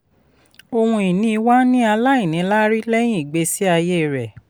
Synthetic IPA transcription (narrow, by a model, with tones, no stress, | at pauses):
o˧hũ˧i˨nĩ˦i˧wa˦nĩ˦a˧la˦i˦˨nĩ˨˦la˦ɾi˦lɛ˦j̃ĩ˦i˨ɡ͡be˧si˦a˧je˦˨ɾɛ˨